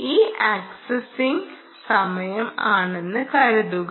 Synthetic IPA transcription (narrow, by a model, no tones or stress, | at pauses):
iːʔaːksɐsiŋ | sɐmɐjɐmaːɳenːɨkɐɾɐd̪uɣ